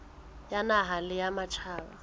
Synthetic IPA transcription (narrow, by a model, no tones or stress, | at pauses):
janaɦalɪjamat͡ʃʰaːβa̰